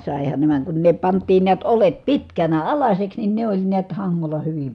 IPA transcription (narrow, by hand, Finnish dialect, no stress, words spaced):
sɑˑehɑn ne ʋɑˑeŋ kun ne pɑntˑiːn niæt olet pitkænæ ɑlɑsʲeks nin ne olʲ niæt hɑŋːolɑ hyʋim